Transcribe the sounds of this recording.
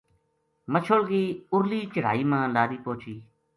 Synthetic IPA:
mət͡ʃʰolɡiːʊɾliːt͡ʃəɽ̤a̰ːiːmãːlaːɾiːpoːt͡ʃiː

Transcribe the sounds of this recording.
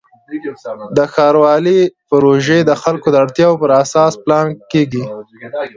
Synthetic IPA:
d̪əxɑɾwɑlipəɾoʒed̪əxalkod̪əaɽt̪jɑwopəɾasɑsplɑnkeɡi

